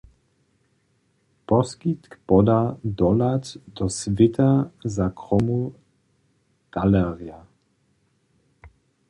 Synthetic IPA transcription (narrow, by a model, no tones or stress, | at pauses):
pɔskit̪kpɔd̪ad̪ɔlat̪d̪ɔsvɪt̪azakʁɔmu | ɡ̥alɛʁia